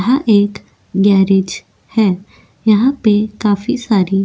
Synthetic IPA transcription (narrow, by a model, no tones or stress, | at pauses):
ɐɦãʔeːk | ɡɛːɾed͡ʒ | hɛː | jɐɦãpekaːfisaːɾi